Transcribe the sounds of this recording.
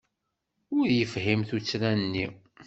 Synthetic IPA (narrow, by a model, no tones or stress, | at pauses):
ʊɾjəfɦimθut͡sːɾænnːi